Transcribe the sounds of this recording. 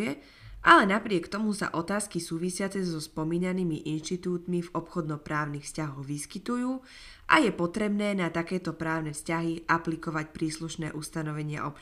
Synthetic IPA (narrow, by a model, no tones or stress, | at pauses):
ɛ | alɛnapɾɪɛkt̪ɔmusa̰ʔɔt̪aːskisuːʋisɪat͡sɛzɔspɔmiːɲaniːmiʔinʃt̪it̪uːt̪mivɔpxɔd̪nɔpɾaːʊnixfscaɦɔɣʋiskit̪ujuː | ʔa̰jɛpɔt̪ɾɛbnɛːnat̪akɛːt̪ɔpɾaːʊnɛfscaɦiʔaplikɔʋacpɾiːsluʃnɛːʔust̪anɔʋɛɲɪa̰ʔɔpt͡ʃ